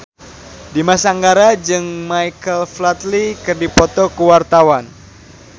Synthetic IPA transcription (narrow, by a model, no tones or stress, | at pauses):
dimasaːŋɡaɾad͡ʒɨŋmaijkəlflat̪likɨrdipɔt̪ɔkəwart̪awan